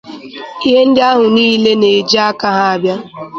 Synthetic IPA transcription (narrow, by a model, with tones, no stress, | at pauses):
i˦ɦe˦n̩˦dɪ˦a˦ɦʊ˨niː˦le˦ne˨d͡ʒi˦a˦ka˦ɦa˦a˦bja˦